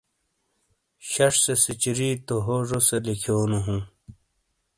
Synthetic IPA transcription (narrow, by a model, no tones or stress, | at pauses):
ɕɐʂsesit͡ɕiɾiːt̪oɦoʐoselikʰoːnuɦũː